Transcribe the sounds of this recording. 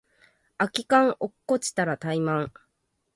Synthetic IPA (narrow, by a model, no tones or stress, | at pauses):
akʲikãŋ̃ʔokːo̞t͡ɕi̥t̪aɾat̪aimãŋ̃